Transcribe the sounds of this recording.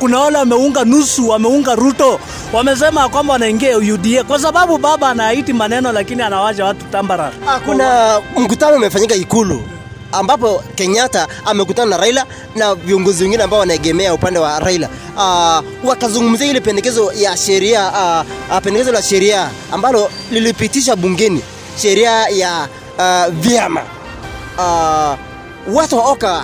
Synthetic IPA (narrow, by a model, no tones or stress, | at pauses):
kunawalɛwamɛuŋɡanusuwamɛuŋɡaɾutɔ | wamɛs̬ɛmajakwambawanaiŋɡiaujuɗiɛkwas̬aɓaɓuɓaɓaːnajaitimanɛnɔlakinianawad͡ʒawatu̥tambaɾaakunam̩kutanɔimɛfaɲikaikulṵ | ambapɔkɛɲataːmɛk̬utananaɾaila | naviɔŋɡɔziwɛŋɡinɛambaɔwanaɛɠɛmɛaupandɛwaɾaila | wakazuŋɡum̩ziahilɛpɛndɛkɛzɔjaʃɛɾia | pɛndɛkɛzɔlaʃɛɾia | a̰mbalɔlilipitiʃ̬aɓuŋɡɛni | ʃɛɾiaja | vjama̰ | watuwaɔka